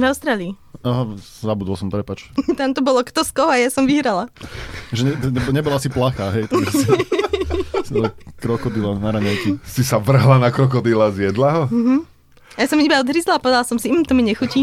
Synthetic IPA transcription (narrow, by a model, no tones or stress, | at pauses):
vaʊst̪ɾaːliː | aɦa | zabud̪ɔlˠsɔmt̪ɾɛpat͡ʃt̪amt̪ɔbɔlɔkt̪ɔskɔɦɔajasɔmʋiɦɾalaʒɛɲɛɛbɲɛbɔlaasiplaxaɦɛjt̪ɛ | sɛkɾɔkɔd̪ilanaɾaɲɛlkisisaʋr̩ɦlanakɾɔk̬ɔd̪ilazjɛd̪laɦɔɦm̩ | ajasɔmibaɔd̪ɦɾizlapɔʋɛd̪alasɔmsimt̪ɔmiɲɛxuci